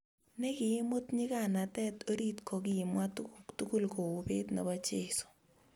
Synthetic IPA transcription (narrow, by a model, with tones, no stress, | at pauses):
nɛ˦kɪ˨e˦mo˦tɲɪ˦ka˦˨na˨tɛ˦to˦ɾi˦tkʰɔ˨kɪ˦˨ɪ˨mwa˦ttu˦ku˦lko˨u˨pe˦tnḛ˨ba˦t͡ʃe˨so̥˨